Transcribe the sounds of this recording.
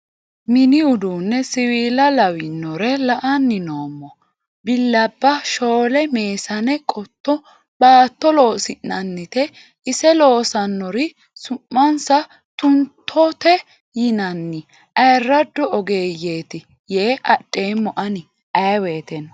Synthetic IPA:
mɪnɪʊd̪uːnːɛsɪwiːlɐlɐwɪnːɔɾɛlɐʔɐnːɪnoːmːɔ | bɪlːɐbːɐʃo̞ːlɛmeːsɐnɛkʼɔt̪ʰːɔ | baːt̪ːɔlo̞ːsɪnːɐnːɪt̪ɛ | ɪsɛlo̞ːsɐnːɔɾɪ | sʊmːɐnsɐ | t̪ʊnt̪ʰːɔt̪ɛ | jɪnɐnːɪ | ʔɐjrːɐd̪ːɔʔɔɡeːje̞ːt̪ɪ | jeːʔɐɗʼːe̞ːmːɔʔɐnɪ | ʔɐjweːt̪ɛn

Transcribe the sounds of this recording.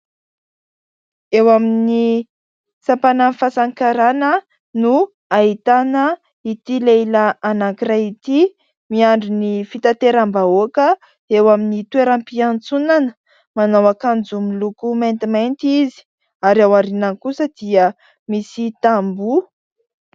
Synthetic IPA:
ewamini | sampananfasaŋkaɾanə | nu | aɦit̪anə | it̪ilelaanakiɾait̪i | miaɳɖ͡ʐunifit̪at̪eɾambaokə | ewaminit̪weɾampiant͡sunanə | manawakand͡zumilukumajnt̪imajnt̪izi̥ | aɾawaɾinankusəd̪̥iə | misit̪ambu

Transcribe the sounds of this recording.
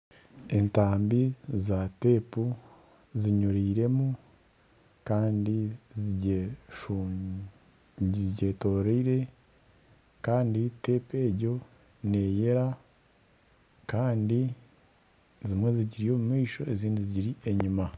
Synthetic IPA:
entaːmbizate̞pu | ziɲuɾiːɾe̞mu | kaːndiziʃ | ɟe̞to̞ːɾeiɾe̞ | kaːndite̞ːpe̞ːɟo̞ | neːje̞ɾa | kaːndi | zimwe̞ziɟiɾijo̞ːmumiːʃo̞eziːndiziɟiɾie̞ɲuma

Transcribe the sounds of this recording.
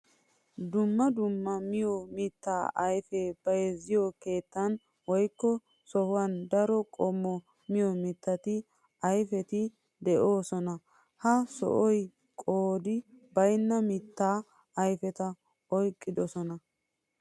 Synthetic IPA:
d̪ʊmːɐd̪ʊmːɐmɪjɔmɪt̪ːaːʔɐjfɛb̥ɐjɛzɪjɔke̞ːt̪ːɐn | wɔjkːɔ | sɔhʊwɐnd̪ɐɾɔkʼɔmːɔ | mɪjɔmɪt̪ːɐt̪ɪ | ɐjfɛt̪ɪ | d̪ɛʔo̞ːsɔnɐ | hɐsɔ̰ʔɔj | kʼoːd̪ɪbɐjnːɐmɪt̪ːaː | ɐjfɛt̪ɐ | ɔjkʼːɪd̪ɔsɔnɐ

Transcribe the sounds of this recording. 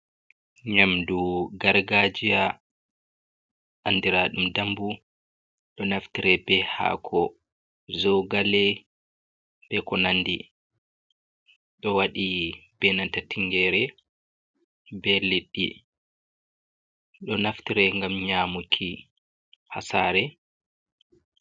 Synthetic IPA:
ɲamduɡaɾɡad͡ʒija | ʔandiɾaɗumdambu | ɗɔnaftiɾɛbɛha̰kʰɔ | zɔwɡalɛ | b̥ɛkɔnandi | ɗɔwaɗib̥ɛnantatiŋɡɛɾɛ | bɛleɗːḭ | ɗɔnaftiɾɛŋɡamɲaːmukʰi | ha̰saːɾɛ

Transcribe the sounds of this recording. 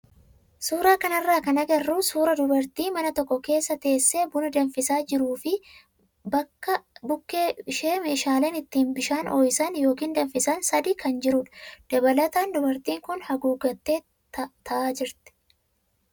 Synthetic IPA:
suːɾaːkɐnɐrːaːkɐnɐɡɐrːuːsuːɾɐd̪ʊbɐɾt̪iːmɐnɐt̪ɔkːɔke̞ːsːɐt̪e̞ːsːeːbʊnɐd̪ɐɱfɪsaːd͡ʒɪɾuːfɪ | bɐkːɐbʊkːeːɪʃeːme̞ːʃaːle̞ːnɪt̪ːiːnbɪʃaːnɔjsɐnjo̞ːkiːnd̪ɐɱfɪsɐnsɐd̪iːkɐnd͡ʒɪɾʊᶑɐ̥d̪̥ɐbɐlɐt̪aːnd̪ʊbɐɾt̪iːŋkʊnhɐɡuːɡɐt̪ːeː | t̪ʰɐʔaːd͡ʒɪɾt̪ɪ̥

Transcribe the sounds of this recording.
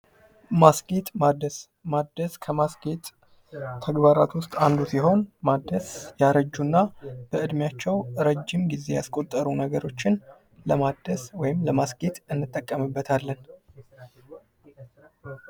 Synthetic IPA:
masɡet̪mad̪əs | mad̪əskʰəmasɡet̪ʰː | əɡbaɾa̰t̪wʊst̪ʼand̪usiɦo̞nmad̪ːəsjaɾəd͡ʒːunːab̥əʔɨd̪mjat͡ʃːɛwɾəd͡ʒːɪmɡize̞ja̰skʼo̞t̪ʼːəɾunəɡəɾo̞t͡ʃːɪn | ləmad̪əswɔjɪmləmasɡet̪ɨnːɨt̪ʼːəkʼːəmɨbːət̪ʰalːən

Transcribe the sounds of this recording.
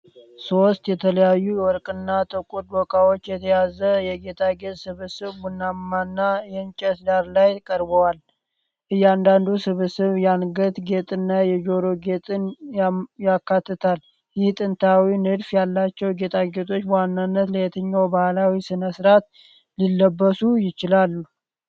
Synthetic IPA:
so̞st̪jɛt̪ʰələjajːuwɔɾkʼɨnːat̪ʰʼəkʼud̪wɔkʼawo̞t͡ʃːjɛt̪ʰəjazəjɛɡe̞t̪ʰaɡe̞t̪ʼsɨβɨsɨβɡunːammanːajɛnt͡ʃʼɛsd̪aɾlajkʼəɾbəwal | ʔɨjːand̪and̪usɨβɨsɨβjanɡət̪ɡe̞t̪ʼɨnːajɛd͡ʒo̞ɾo̞ɡe̞t̪ʼɨnjjakːat̪ːɨt̪ʰal | jɪht̪ʼɨnt̪ʰawinɨd̪fjalːat͡ʃːɛwɡe̞t̪ʰaɡe̞t̪ʰo̞t͡ʃːwanːanːət̪ləjɛt̪ʰəɲːawbahlawisɨnəsɨɾat̪ | lilːəbːəsujɪt͡ʃɪlalːu

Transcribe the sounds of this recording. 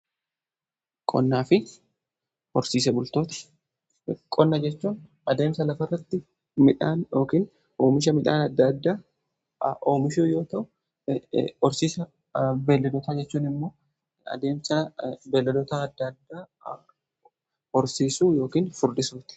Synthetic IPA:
kʼɔ̰nːaːfɪ | hɔɾsiːs̬ɛbʊlt̪o̞ːt̪ɐ̥ | kʼɔnːɐd͡ʒɛt͡ʃːuːn | ɐd̪e̞ːmsɐlɐfɐrːɐt̪ːɪ | mɪᶑaːnjoːkiːn | oːmɪʃ̬ɐmɪᶑa̰ːnɐd̪ːɐd̪ːaː | ʔoːmɪʃuːjo̞ːt̪ɐʔʊ | ɔɾsiːsɐ | beːlːɐd̪ɔt̪ad͡ʒɛt͡ʃːuːnɪmːo̞ː | ɐ̰d̪e̞ːmsɐbeːlːɛd̪ɔt̪aːd̪ːɐd̪ːaː | hɔɾsiːsuːjo̞ːkiːnfʊɾd̪ɪsoːt̪ɐ̥

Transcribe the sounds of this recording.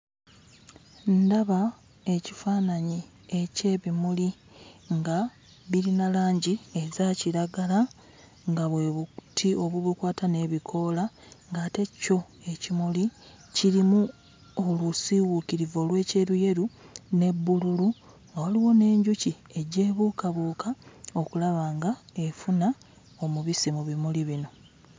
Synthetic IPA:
ndaβa | e̞cifaːnaɲi | e̞ce̞ːβimuli | ŋɡa | βiɾinalaːɲɟiezaciɾaɡala | ŋɡaβwe̞βutʰio̞βuβukwaːtane̞βikʰo̞la | ŋɡaːte̞co̞ | e̞cimuli | ciɾimu | olusiwukiɾivo̞lwe̞ːce̞ɾuje̞ɾune̞bːululu | awaliwo̞ne̞ːɲɟucie̞ɟe̞ːβukaβuːkao̞kulaβaːŋɡae̞funa | o̞muβisimuβimuliβino̞

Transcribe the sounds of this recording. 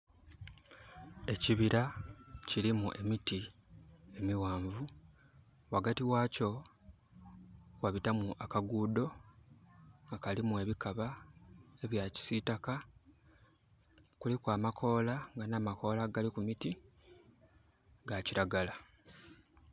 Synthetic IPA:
e̞ciβiɾacilimuʔe̞miti | e̞miwaːɱvu | waɡatiwaːco̞ | waβitamuʔakaɡuːdo̞ | ŋɡakalimue̞βikaβa | e̞βjaci̥sitaka | kulikwaːmakʰo̞ːlaŋɡanaːmako̞ːlaɡalikumiti | ɡaciɾaɡala

